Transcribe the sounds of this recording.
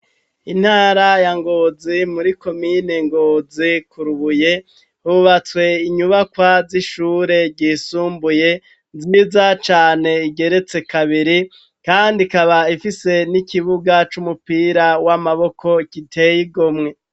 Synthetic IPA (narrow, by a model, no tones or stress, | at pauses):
in̥haːɾajaŋɡo̞ːzimuɾiko̞mine̞ŋɡozikuɾuβuje̞ | huβat͡swe̞iɲuβakwaziʃuːɾe̞ɾɟiːsuːmbuje̞ | zizat͡ʃaːne̞iɡe̞ɾe̞t͡se̞kaβiɾi | kaːndikaβaifise̞nikiβuɡat͡ʃumupiːɾawamaβo̞kʰo̞ikitʰe̞jiɡo̞mŋe̞